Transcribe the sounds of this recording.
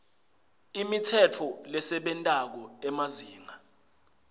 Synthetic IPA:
imitʰɛtʰɔlɛsɛɓɛntʼak̬ɔɛmaziːŋa

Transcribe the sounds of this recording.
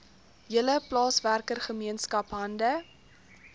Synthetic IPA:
jələplɑːsværkərχəmiənskɐpɦɐndə

